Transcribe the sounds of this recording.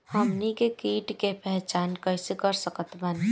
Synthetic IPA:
həmnikekiːʈkepɛɦt͡ʃaːnkəɪsekəɾsəkət̪man

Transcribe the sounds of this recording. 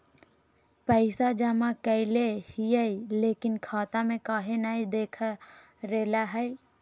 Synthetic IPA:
pəɪsad͡ʒəmãkəɪlehiəileːkɪnkʰaːt̪amẽkaːɦenaɦid̪eːkʰa | ɾeːlaɦɛj

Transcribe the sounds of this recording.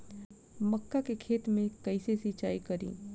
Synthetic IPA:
məkːakekʰeːt̪mẽkəɪsesit͡ʃa̰ːikəɾḭ̃ː

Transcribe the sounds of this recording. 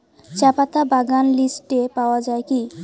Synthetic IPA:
t͡ɕapat̪abaɡanlisʈepaoad͡ʑaeki

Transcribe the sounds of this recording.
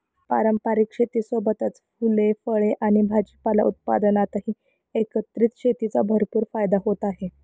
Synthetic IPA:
paɾəmpaɾikʂet̪iːsobət̪at͡sfulefəɭeʔaɽ̃ibʱad͡ʑəpala̰ut̪̚pa̰d̪ənat̪ɦiː | ekət̪ɾit̪ɕet̪it͡sabʱəɾpuːɾfajd̪aɦot̪aɦe

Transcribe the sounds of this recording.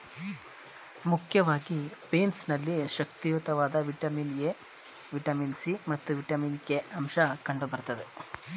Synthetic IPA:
mukʰjɐʋaːɡipeːnsnɐlːiʃɐk̚t̪ijut̪ɐʋaːd̪ɐʋiʈɐmiːnɡe | ʋiʈɐmiːnsimɐt̪ːuʋiʈɐmiːnkeɐmʃɐkɐɳɖubɐɾt̪ɐd̪e

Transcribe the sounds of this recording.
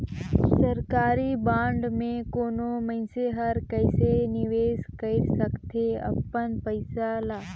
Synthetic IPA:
sɐɾkaːɾibãːɳɖmẽkoːnomɐ̃ɪ̃seɦɐɾkɐɪsenɪʋeːskɐisɐkt̪ʰeɐ̰pːənpəɪsalaː

